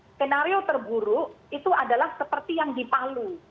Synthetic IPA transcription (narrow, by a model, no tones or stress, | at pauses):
t̪enaɾiot̪ərbuɾuʔit̪uadalahsəpərt̪ijaŋdipalu